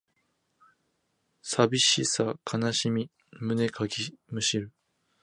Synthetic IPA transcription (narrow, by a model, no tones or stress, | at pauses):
sabʲiɕisakʰanaɕimʲi | mɯ̟ne̞kʰaɡʲimɯ̟ɕiɾɯ̟